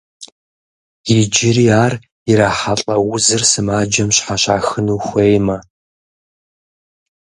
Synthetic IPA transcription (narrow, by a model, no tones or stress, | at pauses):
jɪd͡ʒɪɾiːaːr | ɪɾaːħaɬʼɐwʊzɨrsɨmaːd͡ʒɐmɕħaɕaːxɨnuːxʷejmɐ